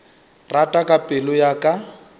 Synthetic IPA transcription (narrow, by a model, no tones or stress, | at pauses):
ratʼakʼapʼɪlʊjakʼa